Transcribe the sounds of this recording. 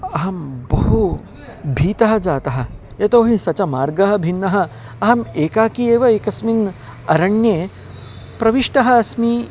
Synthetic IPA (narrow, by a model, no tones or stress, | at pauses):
ɐɦɐmbɐɦu | bʱiːt̪ɐɦɐ̆d͡ʒaːt̪ɐɦɐ̆ | jɐt̪oːɦisɐt͡ʃɐmaːɾɡɐɦɐ̆bʱinːɐɦɐ̆ | ɐɦɐmeːkaːkieːʋɐeːkɐsmin | ɐɾɐɳjeː | pɾɐʋiʂʈɐɦɐːsmi